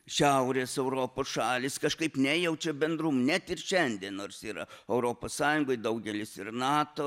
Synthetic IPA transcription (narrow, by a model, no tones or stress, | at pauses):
ʃʲæʊɾʲeːsɛʊɾoːpoːsʃɑːlʲɪskɐʃkɐɪpnʲɛjɛʊt͡ʃʲɛbʲɛnd̪ɾʊmnʲɛt̪ɪrʃʲɛnʲd̪ʲiːnnoːrsiːɾɐ̰ɛʊɾoːpoːssɑːjʊŋɡoɪd̪ɐʊɡʲɛlʲɪsɪrnɑːt̪oː